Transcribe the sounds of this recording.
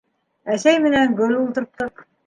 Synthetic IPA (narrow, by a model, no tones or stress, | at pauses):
æsæjmɘ̆næŋɡɵlulˠt̪ɤ̆ɾp̚t̪ɤq